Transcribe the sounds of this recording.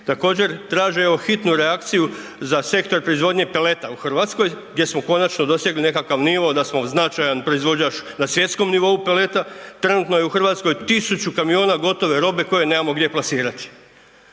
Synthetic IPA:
t̪ako̞ːd͡ʑe̞ɾt̪ɾaːʒejeoxit̪nuɾeakt̪sijuzase̞kt̪o̞ɾpɾoizʋo̞ːd̪ɲe̞pe̞le̞t̪auxrʋat̪sko̞jɡd̪je̞smo̞ko̞nat͡ʃnod̪o̞sjeɡline̞kakaʋniʋo̞d̪asmo̞znat͡ʃajanpɾoizʋo̞d͡ʑat͡ʃnasʋje̞t̪sko̞mniʋo̞upe̞le̞t̪at̪ɾe̞nut̪no̞je̞uxr̩ʋat̪sko̞jt̪isut͡ɕukamio̞ːnaɡo̞t̪o̞ʋe̞ɾo̞be̞ko̞je̞neːmamo̞ɡd̪ʲje̞plˠasiːɾat̪i̥

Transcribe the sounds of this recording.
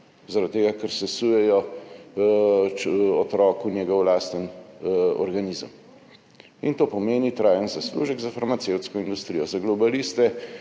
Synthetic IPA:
zaɾat̪̚t̪ːeːɡakɛɾsɛsujɛjɔ | ɔt̪ɾɔːkunjɛɡɔwlaːst̪ən | ɔ̰ɾɡaniːzə̰m | int̪oːpɔmeːnit̪ɾaːjənzaslṵʒəɡzafaɾmat̪sewt̪skɔind̪ust̪ɾijɔzaɡlɔbalist̪ɛ

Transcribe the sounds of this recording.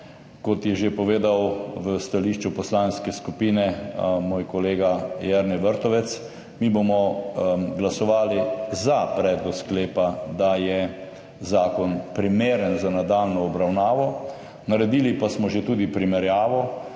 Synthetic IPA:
kɔt̪jɛʒepɔʋeːd̪awʋəst̪aliʃt͡ʃupɔslaːnskɛskupiːnɛmoːjkɔleːɡajɛɾnɛʋəɾt̪ɔʋɛt̪s | mibomɔ | ɡlasɔʋaːlizapɾɛːd̪lɔkskleːpad̪ajɛ | zaːkɔnpɾimeːɾənzanad̪aːlnɔːbɾawnaːʋɔ | naɾɛd̪iːlipasmɔʒet̪uːd̪ipɾimɛɾjaːʋɔ

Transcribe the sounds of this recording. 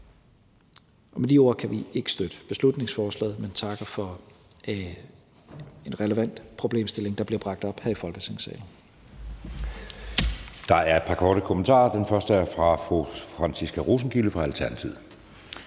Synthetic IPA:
ʔɒ̽med̥io̝ɐ̰kʰæʋie̝ɡ̥ə̥sd̥ød̥əb̥e̝slud̥ne̝ŋsfɒːslɛ̰ːðˠment͡sʰɑ̈ɡ̥əfɒ̽ | e̝nʁɛləʋæn̰d̥pʰʁo̝b̥le̝̰ːmsd̥e̝le̝ŋd̥ɑ̈b̥liɐb̥ʁɑ̈ɡ̥̚d̥ɒ̽b̥hæɐifɒ̽lɡ̥əsʰeŋsɛ̰ːln̩ | d̥ɑ̈æɐe̝d̥̚pʰɑ̈kʰɒːɾ̥əkʰomənt͡sʰɑ̰̈ːɐd̥enfɶɐsd̥əæɐfʁɑ̈fʁufʁɑnsisɡ̥æʁus̬n̩ɡ̥iləfʁɑ̈ælt͡sʰæɐnæt͡sʰið̰ˠ

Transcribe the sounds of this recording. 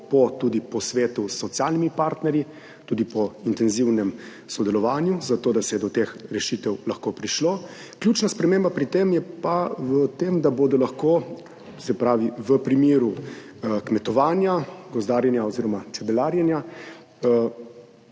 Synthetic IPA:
pɔt̪ud̪ipɔsʋeːt̪usːɔt̪sjalnimipaːɾt̪nɛɾji | t̪uːd̪ipɔint̪ɛnziwnɛm | sɔd̪ɛlɔʋaːnjuzat̪oːd̪asɛjɛd̪ɔt̪exɾɛʃit̪ɛwlaxkoːpɾiʃlo | kljut͡ʃnaspɾɛmeːmbapɾit̪emjɛpaʋət̪eːmd̪abod̪ɔlaxko | sɛpɾaːʋiʋəpɾimeːɾu | kmɛt̪ɔʋaːnjaɡɔzd̪aːɾjɛnjaɔziːɾɔmat͡s̪ɛbɛlaːɾjɛnja

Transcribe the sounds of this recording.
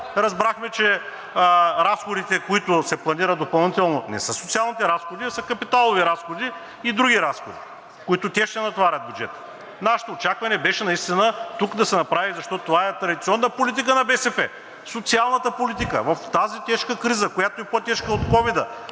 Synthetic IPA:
ɾɐzbɾaxmɛt͡ʃɛ | ɾasxod̪it̪ɛkoit̪ʊsɛplˠɐniɾɐt̪̚d̪opɐlˠnit̪ɛlˠnonɛ̰səsot̪sialˠnit̪ɛɾasxod̪iɐsəkɐpit̪alˠoviɾasxod̪iː | d̪ɾuɡʲiɾasxod̪i | kʊit̪ʊt̪ʲɛʃt̪ɛnɐt̪vaɾʲɐt̪̚bʲjud͡ʒɛt̪ə̥ | naʃɛ̥t̪oːt͡ʃakvɐnɛbɛʃɛnɐist̪inət̪ukd̪ɐsɛnɐpɾavizɐʃt̪ɔtt̪ovaɛt̪ɾɐd̪ʲit̪siɔnːəpolit̪̬ikənɐbɛsɛpɛ | sot̪sialˠnət̪əpolit̪ikə̰vɐft̪azit̪ɛʃkəkɾizəkojat̪oɛpot̪ɛʃkəot̪kɔvid̪ə

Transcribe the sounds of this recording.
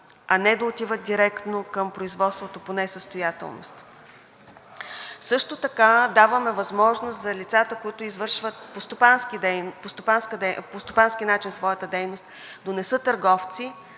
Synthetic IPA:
ɐnɛd̪ɐot̪ivət̪̚d̪iɾɛkt̪nokəmpɾoizvɔt̪st̪vot̪oponɛsəst̪ojat̪ɛ̰lˠno̰st̪ | sɤʃt̪ot̪ɐkad̪avəmɛvɐzmɔʒnost̪zɐlʲit̪sat̪əkoit̪ʊizvɤɾʃvət̪̚post̪opanskid̪ɛpost̪opanskəd̪ɛpost̪opansk̟inat͡ʃinsvɔjət̪əd̪ɛjnost̪d̪onɛsɤt̪əɾɡɔft̪si

